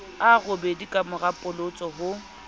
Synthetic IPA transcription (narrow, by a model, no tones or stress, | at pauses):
aɣʊbedikʼamʊrapʼʊlot͡sʼɔɦʊ